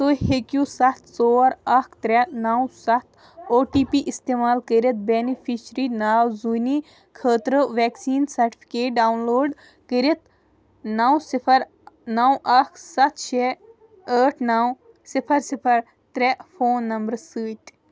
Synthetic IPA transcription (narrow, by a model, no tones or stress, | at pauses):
soːhekjuːsɐt̪ʰsoːɐɾɐkʰt̪ɾɛnɐwsɐt̪ʰ | oːʈiːpiʔist̪eːmaːlkəɾit̪̚beːnipʰisɾinaːwzuni | kʰəːt̪ɾəʋɛːksiːnsɐɾʈi̥pʰi̥keːʈ̚ɖaːwnloːɖ | kəɾet̪ | nawsipʰɐɾ | nawʔɐkʰsɐt̪ʰt͡ʃʰe | əːʈʰnaw | sipʰɐɾsipʰɐɾ | t̪ɾɛpʰoːnːɐmbɐɾsɨːt̪